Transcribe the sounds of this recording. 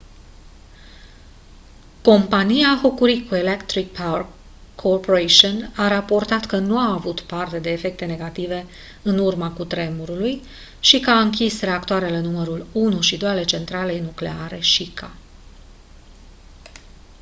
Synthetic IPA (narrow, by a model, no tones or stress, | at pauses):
ko̞mpanijaxokuɾikue̞lekt̪ɾik̚pʰarkʰː | orpoɾeʃionaɾapo̞rt̪at̪kənuaːvut̪part̪e̞d̪e̞ːfe̞k̚t̪e̞ne̞ɡat̪ive̞ | ɨnurmakut̪ɾe̞muɾuluj | ʃikəaɨŋkʲisre̞akt̪oaɾelenuməɾulunuʃid̪o̞jale̞t͡ʃe̞nt̪ɾale̞jnukle̞̰aɾe̞ʃikʰa